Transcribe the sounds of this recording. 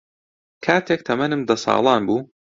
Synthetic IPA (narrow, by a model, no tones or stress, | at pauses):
kʰaːt̪ʰeːk̚t̪ʰɐmɐnɨmd̪ɐsɑ̰ːlˠɑːnbuː